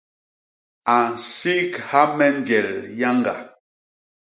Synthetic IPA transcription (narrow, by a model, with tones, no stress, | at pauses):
a˨n˨si˦kha˦mɛ˦n˦d͡ʒɛ˨lja˦ŋɡa̰˨